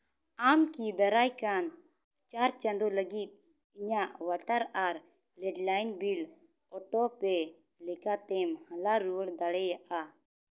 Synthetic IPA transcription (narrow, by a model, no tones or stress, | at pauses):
amkib̪ɛɾajkan | t͡ʃaɾt͡ʃand̪ɔləɡit̪̚ | iɲaʔwaʈaɾaɾ | lɛɖlajnbil | ɔʈɔpɛ | lɛkat̪ɛmhãlaɾuəɽd̪aɽɛjaʔa